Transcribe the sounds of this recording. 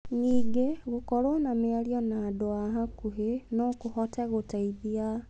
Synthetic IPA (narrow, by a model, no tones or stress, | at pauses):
niːɡeɣukolonamialjɔnadoaɦakuɦenokuhotʰeɣutaiðja